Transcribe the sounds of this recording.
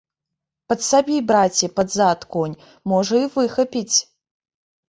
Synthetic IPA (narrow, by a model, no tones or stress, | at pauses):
pɐt̪sabʲibɾat͡sʲipɐd̪zat̪kɔnʲ | mɔʐɐivɨxɐpʲit͡sʲ